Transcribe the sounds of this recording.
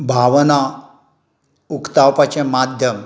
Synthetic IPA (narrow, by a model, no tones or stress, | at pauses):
bʱaʋna | ukt̪awpat͡ɕemad̪ʱjəm